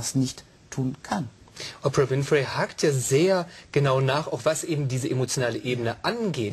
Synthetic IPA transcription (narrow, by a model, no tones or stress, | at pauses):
asnɪçt | tʰuːnkʰanʔɔpʁavɪnfʁehaːktjaːzeːɐɡ̥ənaʊnaːχaʊxv̥asʔeːbm̩diːzəʔemot͡sjonaːləʔeːbənəʔanɡeːt